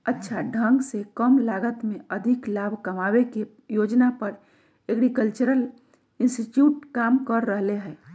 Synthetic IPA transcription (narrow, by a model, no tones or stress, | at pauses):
ətːʃʰaɖʱə̃ŋɡsekəmlaɡət̪meəd̪ʱiklabʱkəmaweke | jod͡ʒnapəɾ | eɡɾikəlt͡ʃəɾəl | insʈiʈjuːʈ̚kaːmkəɾːəɦleɦɛː